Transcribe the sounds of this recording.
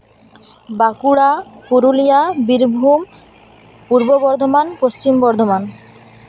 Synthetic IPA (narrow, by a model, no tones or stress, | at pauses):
bakuɽapuɾulijabiɾbʱum | puɾbobɔɾd̪ʱomanpost͡ɕimbɔɾd̪ʱoman